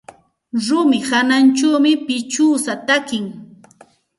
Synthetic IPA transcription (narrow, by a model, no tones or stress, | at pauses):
ɾʊmɪhanant͡ʃawmɪpɪt͡ʃuːsat̪akɪŋ